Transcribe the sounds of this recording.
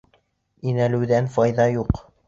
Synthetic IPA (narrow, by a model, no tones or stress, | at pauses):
inælɘ̆wðænfɑjðɑjuq